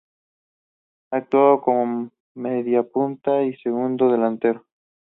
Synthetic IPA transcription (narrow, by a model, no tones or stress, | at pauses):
aːk̚t̪waðokomo | meðjapunt̪aise̞ɣund̪oðe̞lant̪e̞ɾo